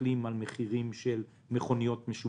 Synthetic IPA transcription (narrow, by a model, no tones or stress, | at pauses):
limalmeχiʁimʃel | meχo̞nijo̞tmeʃu